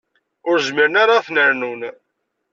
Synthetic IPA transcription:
ʊɾzmiɾənaɾaθnəɾnun

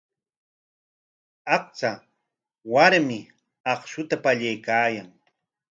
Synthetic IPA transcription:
ɑq̚t͡sa | waɾmɪ | ɑχʃʊt̪apaʎajkaːjaŋ

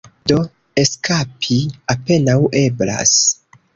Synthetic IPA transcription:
do̞ | e̞skapʰiape̞nawʔe̞bla̰s

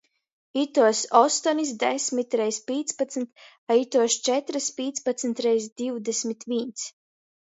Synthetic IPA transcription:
it̪uɔsɔst̪ɔnis̬d̪ɛsʲmit̪ɾɛjspʲiːt̪spat̪snt̪ | ait̪uɔst͡ʃɛt̪ɾɨspʲiːt̪spat̪snt̪ɾɛjsd̪iwd̪ɛsʲmʲit̪ʋint̪s

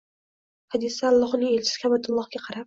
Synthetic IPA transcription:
had̪ɪsaːlˠːɒɦnɪŋelt͡ʃʰɪ̥skʲabat̪ʰʊlˠːɒhɡʲaqʰɑɾap̚

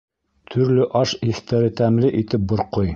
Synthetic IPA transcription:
t̪ʰɵ̆ɾlɵʔɑʃiθt̪æɾɘt̪æmlɘʔit̪ɘp̚bŏɾqoj

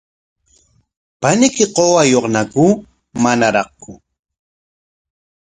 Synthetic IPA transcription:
panɪkɪqowajoqnaku | manaɾɑχkʊ

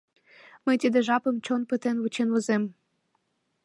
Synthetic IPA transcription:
məjt̪id̪eʒɑpə̆mt͡ɕonpət̪enβut͡ɕenβozem

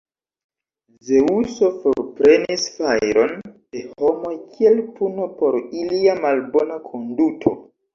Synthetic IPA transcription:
ze̞uso̞foɾpɾe̞nisfajɾo̞nd̥e̞ho̞mo̞jkʰie̞lpuno̞po̞ɾiliamalbo̞nakʰo̞ndutʰo̞̰

